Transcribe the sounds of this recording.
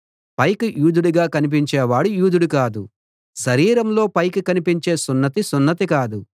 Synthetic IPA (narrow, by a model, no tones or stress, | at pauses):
pɐjkujuːd̪uɽuɡaːkɐnip̬iɲt͡ʃeːʋaːɽujuːd̪uɽukaːd̪u | ʃɐɾiːɾɐmlo̞ːpɐjkukɐnipiɲt͡ʃe̞ːsunːɐt̪isunːɐt̪ikaːd̪u